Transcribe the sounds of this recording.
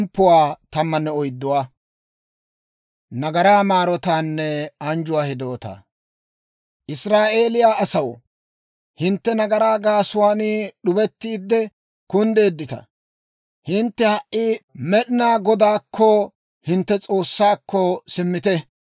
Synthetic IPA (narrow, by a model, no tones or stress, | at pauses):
mpːʊwaːt̪ɐmːɐnːɛɔjd̪ːʊwaː | nɐɡɐɾaːmaːɾɔt̪aːnːɛɐnd͡ʒʊwaːhɪd̪o̞ːt̪a̰ | ʔɪsɾaːʔe̞ːlɪjaːʔɐsɐwɔ̰ | hɪnt̪ːɛnɐɡɐɾaːɡaːsʊwaːnɪɗʊbɛt̪ːiːd̪ːɛ | kʊnd̪e̞ːd̪ːɪt̪ɐ̰ | hɪnt̪ːɛhɐʔʔːɪmɛɗɪnaːɡɔd̪aːkʰːɔ | hɪnt̪ːɛt͡sʼo̞ːsːaːkːɔsɪmːɪt̪ɛ